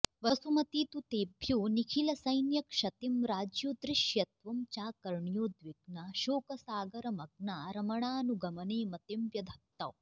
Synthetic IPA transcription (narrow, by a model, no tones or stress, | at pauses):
ʋɐsumɐt̪iːt̪ut̪eːbʱjuːnikʰilɐsɐjnjɐkʃɐt̪imɾaːd͡ʒjud̪ɾiʃjɐt̪ʋɐmt͡ʃaːkɐɾɳjoːd̪ʋiɡnaʃoːkɐsaːɡɐɾɐmɐɡnaːɾɐmɐɳaːnuɡɐmɐneːmɐt̪emʋjɐd̪ʱɐt̪ːɐw